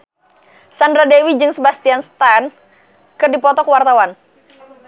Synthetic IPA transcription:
sandɾadewid͡ʒɨŋsəbast̪ianst̪an | kɨrdipɔt̪ɔkəwart̪awan

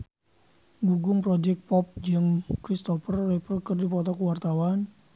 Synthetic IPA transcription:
buɡʊŋpɾɔd͡ʒɛk̚pɔp̚d͡ʒɨŋkɾist̪ɔfərːɛpərkərdipɔt̪ɔkwart̪awan

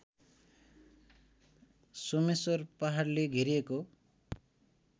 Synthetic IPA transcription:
somesʌrpaɦarleɡʱiɾijeko

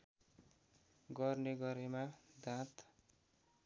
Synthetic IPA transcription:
ɡʌrneɡʌɾemad̪ʱãt̪

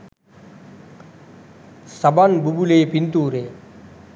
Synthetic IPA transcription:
sɐbanbubuleːpint̪uːɾeː

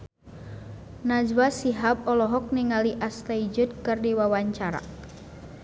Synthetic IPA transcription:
nad͡ʒwasiɦap̚ɔlɔɦɔk̚niŋaliʔast̪aid͡ʒut̪̚kɨrdiwawaɲt͡ʃaɾa̰

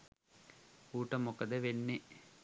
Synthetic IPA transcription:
uːʈɐmokɐd̪ɐʋenːe

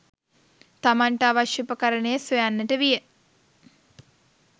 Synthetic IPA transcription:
t̪amaɳʈəaʋaʃjupəkaɾənəjəsʋojanːəʈəʋijə

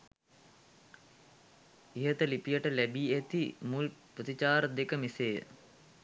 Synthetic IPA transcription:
iɦət̪əlipijəʈəlæbiːæt̪imulpət̪it͡ʃaːɾəd̪ekəmiseːə̰

